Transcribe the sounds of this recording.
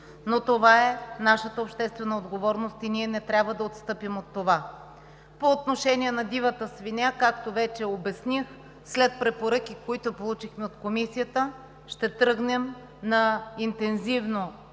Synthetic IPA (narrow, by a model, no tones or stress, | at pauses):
not̪ovaɛnaʃət̪əopʃt̪ɛst̪vɛnəod̪ɡovɔɾnost̪iniɛnɛt̪ɾʲabvəd̪ɐot̪st̪ɤpimot̪ːova | poːt̪noʃɛniɛnɐd̪ivət̪əsvinʲakakt̪ovɛt͡ʃɛobɛsnix | slɛt̪̚pɾɛpoɾɤkʲikoit̪opolˠut͡ʃixmɛot̪komisijət̪ə | ʃt̪ɛt̪ɾɤɡnɛm | nɐint̪ɛnzivno